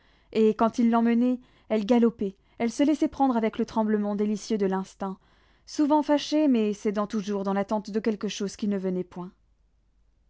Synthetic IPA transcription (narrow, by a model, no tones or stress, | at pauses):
ekɑ̃t̪ilːɑ̃mənɛ | ɛlɡalɔpɛ | ɛlsəlɛsɛpχɑ̃d̪ʁavɛklət̪χɑ̃bləmɑ̃d̪elisjød̪əlɛ̃st̪ɛ̃ | suvɑ̃faʃemɛsed̪ɑ̃t̪uʒuʁd̪ɑ̃lat̪ɑ̃t̪d̪əkʲɛlkəʃoz̥kʲinəvənɛpwɛ̃